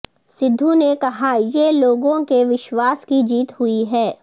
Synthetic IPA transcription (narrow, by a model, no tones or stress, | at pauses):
sɪd̪ʱːunekɐɦajeloːɡõkeʋɪʃwaːskid͡ʒiːt̪ɦʊiɦɛː